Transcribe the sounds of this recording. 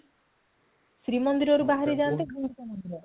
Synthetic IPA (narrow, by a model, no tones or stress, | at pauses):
sɾimɔnd̪iɾɔɾubaɦaɾid͡ʒant̪eɡʱund̪it̪amɔnd̪iɾɔ